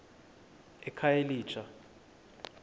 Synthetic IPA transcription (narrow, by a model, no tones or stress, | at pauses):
ɛkʰajeliːt͡ʃʰa